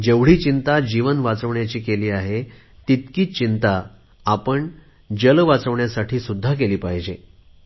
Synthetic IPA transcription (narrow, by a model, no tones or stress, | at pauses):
d͡ʑeʋɽ̤iːt͡ɕint̪ad͡ʑiʋənʋat͡səʋɳjat͡ɕiːkeliːaɦe | t̪it̪kiːt͡ɕint̪a | apəɳ | d͡ʑəlʋat͡səʋɳjasaʈʰiːsud̪ʱːak̬eliːpaɦid͡ʑe